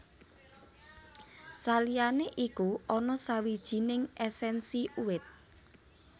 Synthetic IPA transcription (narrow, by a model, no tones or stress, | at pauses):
salijaneʔikuɔnɔsawid̥ʒ̥i̤nɪŋɛsɛnsiʔuwɪt̪̚